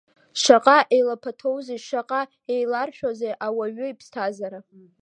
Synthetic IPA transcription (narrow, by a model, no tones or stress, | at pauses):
ʂaqʼaʔejlapʰatʰo̞wziʂaqʼa | ejlarʃᶣozejʔawaɥʊipʰstʰazaɾa